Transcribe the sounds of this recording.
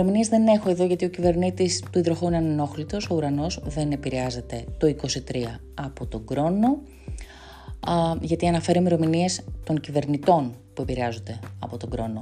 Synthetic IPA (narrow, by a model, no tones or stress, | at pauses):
ɾo̞miniezðe̞ne̞xo̞e̞ðo̞ʝɐt̪io̞cive̞ɾnit̪ist̪uiðɾoxoineneno̞xlit̪o̞so̞uɾɐno̞zðe̞ne̞piɾeɐze̞t̪e̞t̪o̞iko̞sit̪ɾiɐ | ɐpo̞t̪o̞ɡɾo̞no̞ | ʝɐt̪iɐnɐfe̞ɾimeɾo̞minie̞st̪o̞ŋcive̞ɾnit̪o̞npue̞piɾeɐzo̞nd̪e̞ɐ̰po̞t̪o̞ɡɾo̞̰no̞